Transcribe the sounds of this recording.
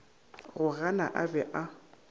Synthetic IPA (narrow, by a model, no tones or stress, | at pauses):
ɣʊɣana̰ʔabɛʔa